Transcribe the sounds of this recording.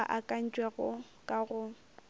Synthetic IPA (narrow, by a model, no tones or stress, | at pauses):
ʔakʼan̩t͡ʃʼweɣʊ | kʼaɣʊ